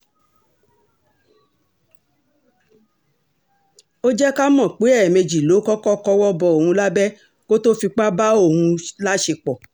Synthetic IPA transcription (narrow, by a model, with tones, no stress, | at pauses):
o˦d͡ʒɛ˦ka˦mɔ̃˦˨k͡pe˨˦ɛ˦˨me˧d͡ʒi˨lo˨˦kɔ˦kɔ˦kɔ˦wɔ˦bɔ˧o˨ũ˧la˦bɛ˦ | ko˦to˦fi˧k͡pa˦ba˦o˦˨hũ˧la˦ʃe˧k͡pɔ˨